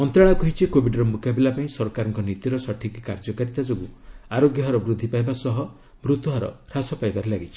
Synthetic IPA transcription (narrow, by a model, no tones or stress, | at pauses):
ɔnt̪ɾaɽ̃ɔkɔɦit͡ʃʰikobʱiɖɾɔmukabilapaĩsɔɾɔkaɾɔŋkɔnit̪iɾɔsɔʈʰikkaɾd͡ʒɔkaɾit̪ad͡ʒoɡuaɾoɡjɔɦɔɾɔbɾud̪ʱːipajbasɔɦɔ | mɾut̪uɦaɾɔ̰ɾasɔpajbaɾelaɡit͡ʃʰi̥